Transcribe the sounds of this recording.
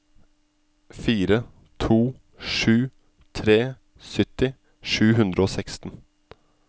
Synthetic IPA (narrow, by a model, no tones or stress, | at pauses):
fiːɾə | t̪ʰuː | ʂʉː | t̪ʰɾeː | sʏt̪ɪ | ʂʉːɦʉnd̪ɾəoːsɛkst̪n̩